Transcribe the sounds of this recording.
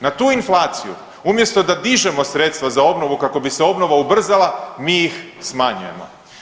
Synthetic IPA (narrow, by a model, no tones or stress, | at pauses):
nat̪uːinflˠaːt̪sijṵ | umje̞st̪o̞d̪ad̪iʒe̞mo̞sɾet̪st̪ʋazao̞bno̞ʋukako̞biseo̞bno̞ʋaubr̩zalˠamiːix | smaɲuje̞̰mo̞̰